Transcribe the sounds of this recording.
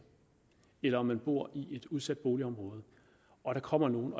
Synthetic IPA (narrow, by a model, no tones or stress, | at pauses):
elɐɒ̽mːænb̥o̝ɐ̰iʔe̝d̥uð̞ˠsæd̥̚b̥o̝ːliɒ̽mʁɔ̽ːð̞̩ˠ | ɒ̽ɾɑ̈kʰɒ̽m̰ɐno̝ːn̩ɒ̽